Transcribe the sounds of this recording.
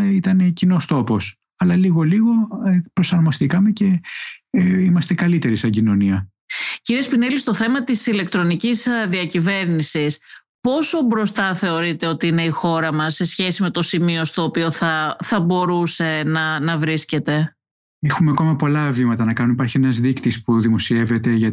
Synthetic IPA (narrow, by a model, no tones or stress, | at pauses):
it̪ɐnecino̞st̪o̞po̞s | ɐlɐliɣo̞liɣo̞epɾo̞sɐɾmo̞st̪ikɐme̞ce̞ | imɐst̪e̞kɐlit̪e̞ɾisɐɲɟino̞niɐ | ciɾiespinelist̪o̞θe̞mɐt̪isile̞k̚t̪ɾo̞nicizðiɐcive̞ɾnisis | po̞so̞bɾo̞st̪ɐθe̞o̞ɾit̪e̞o̞t̪iine̞ixo̞ɾɐmɐsːe̞sçe̞sime̞t̪o̞simio̞st̪o̞ːpio̞θɐθɐbo̞ɾuse̞nɐnɐvɾisce̞t̪e̞ | exumeɐko̞mɐpo̞lɐvimɐt̪ɐnɐkɐnunipɐɾçienɐzðikt̪ispuðimo̞sie̞ve̞t̪e̞ʝɐ